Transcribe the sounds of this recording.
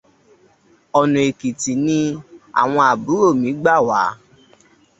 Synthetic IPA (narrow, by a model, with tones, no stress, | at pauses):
ɔ˨nũ˨e˨ki˨ti˨nĩ˧a̰˨w̃ɔ̃˧a˨bu˨˦o˦˨mĩ˨˦ɡ͡ba˦˨wa̰˨˦